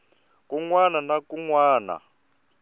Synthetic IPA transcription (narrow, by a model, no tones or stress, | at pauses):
kuŋwananakuŋwaːna̰